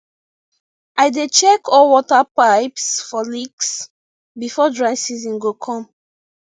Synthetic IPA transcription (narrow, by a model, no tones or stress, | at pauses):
ajdet͡ʃɛkɔlwɔtəpaɪpsfɔliks | bifɔdɹaɪsizĩnɡokʰɔ̃m